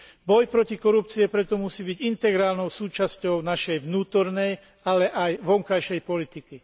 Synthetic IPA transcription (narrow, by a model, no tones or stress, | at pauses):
bɔjpɾɔcikɔɾupt͡siɛpɾɛt̪ɔmusiːbiɟint̪ɛɡɾaːlnɔʊsuːt͡ʃascɔʊnaʃɛjʋnuːt̪ɔɾnɛj | alɛʔajʋɔŋkajʃɛjpɔlit̪iki